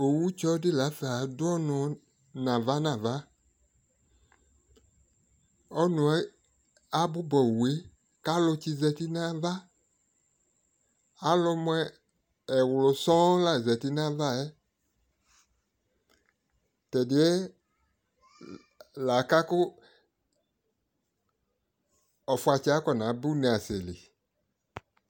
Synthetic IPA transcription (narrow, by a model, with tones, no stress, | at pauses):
o˨wu˦t͡ʃɔ˦dɪ˦˨la˨˦fa˨dʊ˦ɔ˦nʊ̃˨ | nã˨va˦nã˨va˦ | ɔ˦nʊ̃˨ɛ˦ | a˦bʊ˦bɔ˨we˨˦ | ka˦lʊ˧t͡ʃi˦zɛ˨ti˦nã˦va˦ | a˦lʊ˧m˦ɛː˦˨ | wlʊ˨sɔ̃˦la˨zɛ˨ti˦nã˦va˦ɛ˦ | tɛ˨dɪ˨ɛ˦ | la˨ka˦kʊ˦ | ɔ˨fʊ˦a˨t͡ʃi˦a˦kɔ˨nã˨˦bu˦nẽ˨a˨se˨lḭ˨